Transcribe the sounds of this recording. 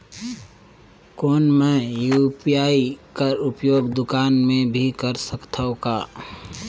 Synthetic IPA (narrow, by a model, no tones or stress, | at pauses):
koːnmɛ̃jupijaːikəɾʊpjoːɡd̪ʊkaːnmẽbʱikəɾsəkt̪ʰaokaː